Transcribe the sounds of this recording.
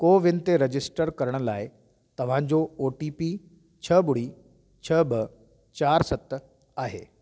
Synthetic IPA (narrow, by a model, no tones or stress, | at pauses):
koːʋɪnɪt̪eɾɐd͡ʑɪsʈəɾkɐɾəɽ̃̆laːɪ | t̪ɐʋ̤ãd͡ʑooːʈiːpi | t͡ɕʰɐbʊɽ̤i | t͡ɕʰɐbɪ | t͡ɕaːɾsɐt̪ | aːɦḛː